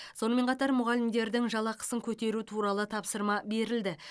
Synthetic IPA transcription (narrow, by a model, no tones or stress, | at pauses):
so̞nəme̞ɴqʰɑt̪ɑɾmʊʁɑlɪmd̪e̞ɾd̪ɪŋʒɑlˠɑqə̥səŋkʲʰɵt̪e̞ɾut̪ʰuɾɑlˠət̪ʰɑpsəɾmɑbe̞ɾɪld̪ɪ